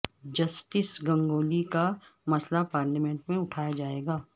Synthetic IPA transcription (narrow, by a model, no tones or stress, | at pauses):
d͡ʒɐsʈɪsɡɐ̃ŋɡoːlikamɐslapaːɾlamɛ̃ɳʈmẽʊʈʰaːjad͡ʒaːeːɡaː